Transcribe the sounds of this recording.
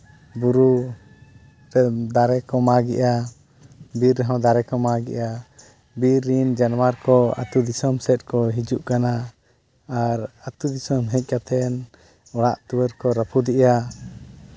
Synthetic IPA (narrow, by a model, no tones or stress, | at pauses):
buɾu | ɾɛd̪aɾɛkɔmaɡɛ̰ʔa | biɾːəɦɔ̃wd̪aɾɛkɔmaɡɛ̰ʔa | biɾːind͡ʒanwaɾkɔa̰t̪ud̪isɔmsɛt̪̚ˀkɔɦid͡ʒuʔkanaː | ɾat̪ud̪isɔmɦɛc̚ˀkat̪ʰɛn | ɔɽa̰ʔt̪uwəɾkɔɾəpʰud̪iʔa